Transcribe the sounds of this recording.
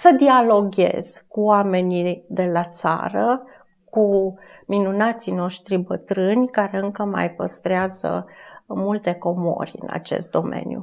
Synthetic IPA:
səd̪ialo̞ɡʲḛz̥kuoame̞nid̪e̞lat̪sa̰ɾə | ku | minunat̪sino̞ʃt̪ɾibət̪ɾɨnʲkaɾe̞ɨŋkəma̰jpəst̪ɾeazə̰mult̪e̞ko̞mo̞̰rʲɨ̰na̰t͡ʃe̞̰st̪̚d̪o̞me̞̰nʲjṵ

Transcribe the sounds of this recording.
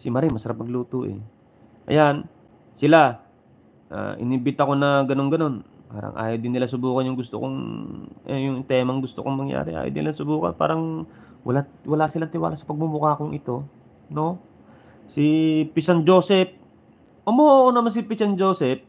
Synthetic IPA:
sɪmɐɾimɐsɐɾap̚mɐɡluːt̪uʔɛ̰ | ʔɐ̰jan | sɪla | ʔa̰ʔɪ̰nibɪt̪ɐko̞nɐɡɐno̞nɡɐno̞npaːɾɐ̰ŋʔa̰ːjod̪ɪnːɪlasʊbuːkɐnjʊŋɡʊst̪o̰koŋ | jʊŋt̪ɛːmɐŋɡʊst̪o̰koŋmɐŋja̰ːɾɛʔa̰ːjo̰d̪ɪnɪlasʊbuːkɐ̰npa̰ːɾɐŋ | wɐ̰lawɐlasɪlant̪ɪwa̰ːlasɐ̥pɐɡ̚mumʊkakoŋʔɪt̪o̞ | no̞ | sipɪsɐnd͡ʒo̞ːsɛp̚ | ʔomoʔoʔonɐmansɪpɪsɐnd͡ʒoːsɛp̚

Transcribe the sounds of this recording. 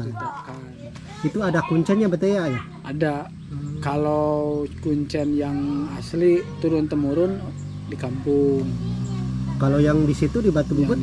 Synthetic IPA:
t̪aka | n | it̪uadakuɲt͡ʃɛnɲabət̪ejaja | ʔada | kalokuɲt͡ʃɛnjaŋaslit̪uɾʊnt̪əmuɾʊn | dikampʊŋ | kalojaŋdisit̪udibat̪ububʊt̪̚

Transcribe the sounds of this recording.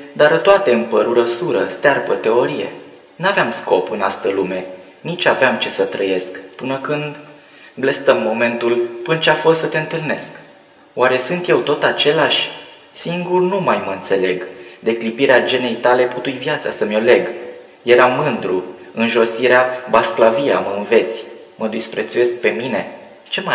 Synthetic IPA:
d̪aɾt̪oat̪e̞ɨmpəɾuɾəsuɾə̰st̪earbət̪e̞o̞ɾije̞̰ | naveamsko̞pɨnast̪əlume̞ | nit͡ʃaveamt͡ʃe̞sət̪ɾəje̞skpɨnəkɨnd̪ | blest̪əmːo̞me̞nt̪ulpɨnt͡ʃeafo̞st̪sət̪e̞ɨnt̪ɨlne̞sk | waɾe̞sɨnt̪je̞wt̪o̞t̪at͡ʃe̞laʃʲ | siŋɡurnumajməɨnt̪se̞le̞ɡd̪e̞klipiɾead͡ʒe̞ne̞jt̪ale̞put̪ujvjat̪sa̰səmʲjo̞le̞ɡ | je̞ɾamɨnd̪ɾuɨnʒo̞siɾeabasklavia̰məɨnve̞t̪sʲ | məd̪ispɾe̞t̪suje̞sk̚pe̞mine̞ | t͡ʃe̞ma

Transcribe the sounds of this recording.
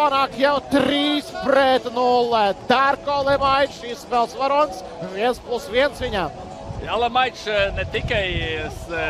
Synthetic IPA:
panaːkjawt̪ɾiːspɾɛt̪nulˠd̪̥aɾkɔlˠɛmajtʃisvɛlˠsvaɾɔnʲs | viɛnsplˠusʋiɛnsʋiɲaːm | alˠɛmajʃnɛt̪ikajs

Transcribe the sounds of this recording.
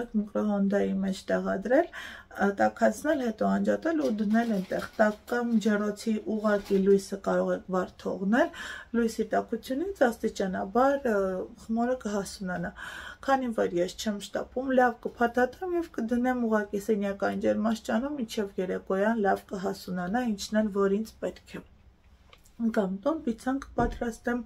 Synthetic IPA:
kʰmikɾɔhɔnd̪ɑjimɛt͡ʃʰt̪ɛʁɑd̪ɾɛlt̪ɑkʰɑt͡sʰnɛlhɛt̪ɔɑnd͡ʒɑt̪ɛlud̪ənɛlɛnt̪ɛχt̪ɑkːɑmd͡ʒɛrɔt͡sʰiʔuʁɑkilujsəkɑɾɔʁɛkʰbɑɾt̪ʰɔʁnɛllujsit̪ɑkʰut͡sʰjunit͡sʰɑst̪it͡ʃɑnɑbɑɾχəmɔɾəkəɦɑsunɑnɑkʰɑnivɔɾjɛst͡ʃʰɛmʃt̪ɑ̰pumlɑvkəpʰɑt̪ʰɑt̪ɛmjɛvkəd̪ənɛmuʁɑkisɛnjɑkɑjind͡ʒɛɾmɑʃt͡ʃɑnumːint͡ʃʰɛvjɛɾɛkɔjɑnlɑvkəɦɑsunɑnɑint͡ʃʰnɛnvɔɾint͡sʰpɛt̪kʰɛ | kɑmt̪unpit͡sʰɑnkə̥pɑt̪ɾɑst̪ɛm

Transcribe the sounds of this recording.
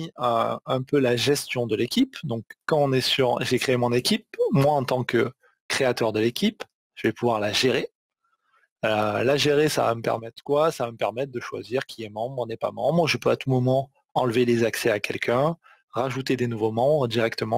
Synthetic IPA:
iø̰ɛ̃pølaʒɛst̪jɔ̃d̪əlekʲipd̪ɔ̃kːɑ̃ɔ̃nɛsyʁʒekχeːmɔ̃nekʲip̚mwaɑ̃t̪ɑ̃kə | kχeat̪œʁd̪əlekʲip | ʒ̥əvɛpuvwaʁlaʒeʁe | laʒeʁesa̰va̰məpɛ̰ʁmɛt̪χə̥kwasavaməpɛʁmɛt̪̚χd̪əʃwa̰ziʁkʲʰiɛmɑ̃bʁnɛpa̰mɑ̃bʁəʒəpøat̪ʰumɔmɑ̃ | ɑ̃lvelezaksɛakʲʰɛ̰lkʰʲɛ̃ | ʁaʒut̪ed̪enuvomɑ̃bʁəd̪iʁɛkt̪əmɑ̃

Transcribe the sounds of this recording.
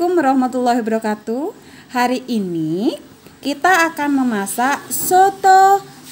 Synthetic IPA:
ʊmɾɔhmat̪ulːaɦbəɾɔkat̪u | haɾiʔini | kit̪aːkanməmasaʔsot̪o

